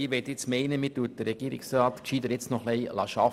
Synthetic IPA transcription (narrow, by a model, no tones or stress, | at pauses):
iʋɛt̪ɪt͡smɛɪnəmiːtuət̚d̥əɾɛɡ̥iːɾɪ̰ksrɑːt̪kʃiːd̪əɾjɪt͡snɔχlɛɪlɑ̰ːʃɑ